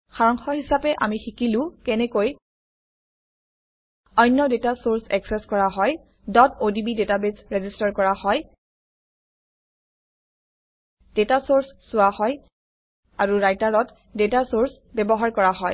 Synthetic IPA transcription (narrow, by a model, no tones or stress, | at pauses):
xaɹɔŋxɔhisapɛʔa̰mixikilʊ̃kɛnɛkoj | ɔjnːɔdetasoɹsɛ̰ksɛskɔɹaɦɔj | dɔtodibidetabesɹezistaɹkɔɹahɔj | d̥etasoɹsːʊwahɔj | aɹuɹajtaɹɔt | detasoɹs | bɛbɔɦaɹkɔɹaɦɔj